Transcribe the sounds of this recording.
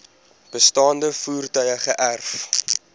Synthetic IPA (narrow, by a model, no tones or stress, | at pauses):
b̥əstɑːndəfuːrtœɥəχəʔærf